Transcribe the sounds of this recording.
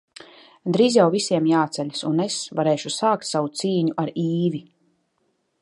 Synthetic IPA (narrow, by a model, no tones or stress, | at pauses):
d̪ɾiːzjawvisʲiɛmjaːt̪sɛʎʲasunesvaɾɛːʃusaːkt̪savut̪siːɲuʔaɾiːvi